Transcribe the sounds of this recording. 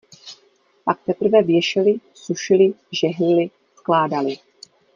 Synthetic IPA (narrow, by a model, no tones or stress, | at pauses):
pak̚t̪ɛpr̩vɛvjɛʃɪlɪsuʃɪlɪʒɛɦlɪlɪ | sklaːdalɪ